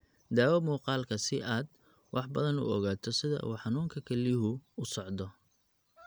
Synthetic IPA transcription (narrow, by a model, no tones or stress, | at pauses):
d̪aːwɐmuːqɑːlkʰɐsɪʔaːd̪̚ | wʔɑħbɐðɐnʊ̰ɔɣaːt̪ʰɔsɪðɐ̰ʔṵːħɑnuːŋkʰɐkʰɐliɦʊʊsɔʕd̪ɔ